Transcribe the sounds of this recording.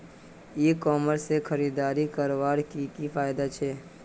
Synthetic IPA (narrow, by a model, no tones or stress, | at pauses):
eːkɔːməɾsexʰəɾiːd̪aːɾikəɾʋaːɾkikifʰaːjd̪at͡ʃʰeː